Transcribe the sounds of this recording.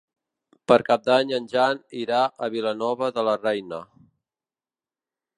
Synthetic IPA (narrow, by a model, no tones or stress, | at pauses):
pəɾkap̚d̪aɲənʲʒaniɾaʔəβilənɔβəðələrɛjnə